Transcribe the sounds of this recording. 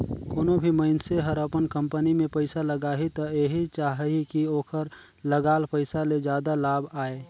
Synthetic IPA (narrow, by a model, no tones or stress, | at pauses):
koːnobʱiməɪnseɦəɾəpənkə̃mpənimẽpəɪsaləɡaːɦit̪ɔeɦit͡ʃaːɦikioːkʰəɾ | ləɡaːlpəɪsaled͡ʒjaːd̪alaːbaːe